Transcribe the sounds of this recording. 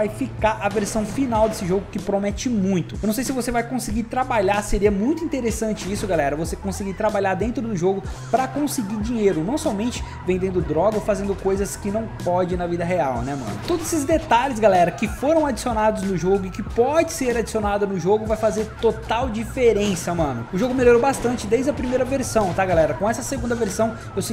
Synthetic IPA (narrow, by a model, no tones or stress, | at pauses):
vajfikaɾʔɐveɾsɐ̃w̃finawd̪esɪʒoɡʊkɪpɾomɛt͡ʃɪmũj̃t̪ʊ̥nɐ̃sejs̬ɪvosevajkõsɪɡiɾt̪ɾabaʎaseɾiɐmũj̃t̪ʊĩnt̪eɾesɐ̃nt͡ʃɪisʊɡalɛɾɐvosekõsɪɡiɾt̪ɾabaʎaɾd̪ẽnt̪ɾʊd̪ʊʒoɡʊ | pɾɐkõsɪɡiɾd͡ʒiɲejɾʊnɐ̃w̃sɔmẽnt͡ʃɪ̥ | vẽnd̪ẽnd̪ʊd̪ɾɔɡɐfazẽnd̪ʊkojzɐskɪnɐ̃w̃pɔd͡ʒɪnɐvid̪ɐɦeawnɛmɐ̰̃nʊt̪od̪ʊzesɪzd̪et̪aʎɪz̬ɡalɛɾɐkɪfoɾɐ̃w̃ad͡ʒisionad̪ʊznʊʒoɡʊɪkɪpɔd͡ʒɪseɾad͡ʒisionad̪ɐnʊʒoɡʊvajfazeɾt̪ot̪awd͡ʒifeɾẽsɐmɐ̃nʊʊʒoɡʊmeloɾobast̪ɐ̃nt͡ʃɪd̪ejzd͡ʒɐpɾimejɾɐveɾsɐ̃w̃t̪aɡalɛɾɐkõɛsɐseɡũnd̪ɐveɾsɐ̃w̃ | ewsi